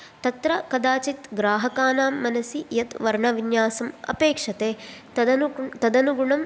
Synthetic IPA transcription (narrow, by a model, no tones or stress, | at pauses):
t̪ɐt̪ɾɐkɐd̪aːt͡ʃit̪ɡɾaːɦɐkaːnaːmːɐnɐsijɐt̪ʋɐɾɳɐʋinjaːsɐmɐ̰peːkʂɐt̪eː | t̪ɐd̪ɐnuɡuɳɐm